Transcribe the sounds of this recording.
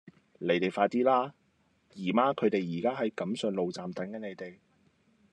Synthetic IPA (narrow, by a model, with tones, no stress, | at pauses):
le˨˥jt̪e˨jfaː˧t̪iː˥laː˥ | jiː˨˩maː˨˥kʰɵ˨˧ɥt̪e˨jjiː˨˩kaː˥ɦɐ˨˥jkɐ˨˥msœː˨˧ŋlo˨wt͡saː˨mt̪ɐ˨˥ŋkɐ˨˥ne˨˧jt̪e˨j